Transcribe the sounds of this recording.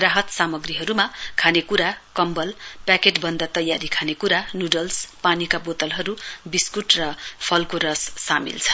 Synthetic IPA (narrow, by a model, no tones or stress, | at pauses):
raɦʌt̪samʌɡriɦʌɾumakʰanekuɾakʌmbʌlpakeʈbʌnd̪at̪ʌjaɾikʰanekuɾanjuɖʌlspanikabot̪ʌlɦʌɾubiskuʈrʌpʰʌlkoɾʌsːamḭlt͡sʰʌ̥